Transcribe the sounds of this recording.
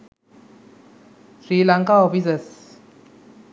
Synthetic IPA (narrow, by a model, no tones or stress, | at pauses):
sɾiːlaŋkaɔfisəs